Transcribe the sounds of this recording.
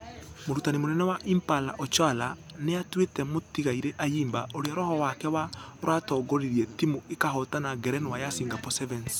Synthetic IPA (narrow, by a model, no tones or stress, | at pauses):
moɾutanimonɛnɛwaʔimpala̰ʔɔt͡ʃwala | neatwetɛmotiɣaiɾeʔajiːmbaoɾeaɾɔhɔwakɛwaɾwʔatɔːɡɔɾiɾiɛtimoekaɦɔtanaɡɛɾɛnwajasiŋɡapɔsɛvɛns